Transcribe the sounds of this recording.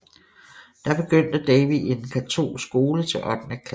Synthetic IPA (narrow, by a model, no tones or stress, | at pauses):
d̥ɑ̈b̥e̝ɡ̥øn̰d̥əd̥ɛɪʋiʔe̝nkʰæt͡sʰo̝̰ːsɡ̥o̝ːlət͡sʰe̝lʔɒd̥n̩ækʰl